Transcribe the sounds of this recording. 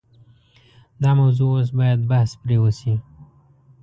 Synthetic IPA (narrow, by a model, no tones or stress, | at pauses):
d̪ɑmawzuos̬bɑjad̪̚bahspɾewosi